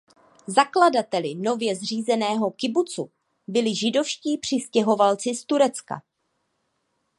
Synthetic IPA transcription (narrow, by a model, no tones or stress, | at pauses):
zakladat̪ɛlɪno̞vjɛzr̝iːzɛnɛːɦo̞kɪbut͡su | bɪlɪʒɪdo̞fʃciːpr̝̥ɪscɛɦo̞valt͡sɪst̪uɾɛt͡ska̰